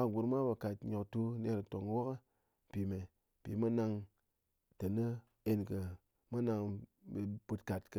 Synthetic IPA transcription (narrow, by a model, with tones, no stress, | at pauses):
a˧ɡʷu˨ɾma˦ba˨ka˨tɲo˨ktu˧˦ne˧ɾto˨ŋwo˦kə˦˨ | pi˨me˨ | pi˨ma˦na˧ŋ | tə˨nə˦ | e˧nkə˧ | ma˦na˧ŋbe˧pu˧tka˨tkə˧